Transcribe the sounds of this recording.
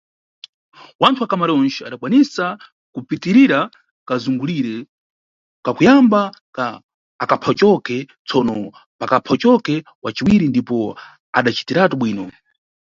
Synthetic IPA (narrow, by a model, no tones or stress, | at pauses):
wantʰuwakamaɾɔnt͡ʃɛa̰ɗakwanisa | kupitiɾiɾa | kazuŋɡuliɾɛ | kakujamba | akapʰɔt͡ʃɔkɛ | t͡sʰɔnɔ | pakapʰɔt͡ʃɔkɛ | wat͡ʃiwiɾindipɔ | a̰ɗat͡ʃi̥tiɾatuɓwiːnɔ